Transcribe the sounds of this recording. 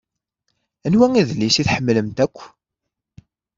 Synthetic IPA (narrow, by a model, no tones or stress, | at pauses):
ænwæŋiðlːisiθħəmːləmt̪ækʷː